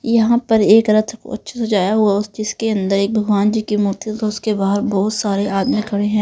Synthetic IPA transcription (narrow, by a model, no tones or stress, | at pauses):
jɐɦãpɐɾeːkɾət̪ʰɐkɐ̰tːʃʰasɐd͡ʒaːjaɦuaʊsd͡ʒɪskeɐ̃nd̪əɾeːk̚bʱɐɡʋaːnd͡ʒiːkimuːt̪it̪oʊskebaːɦɾbɔːt̪saːɾeaːd̪mekʰɐɽeɦɛ̃ː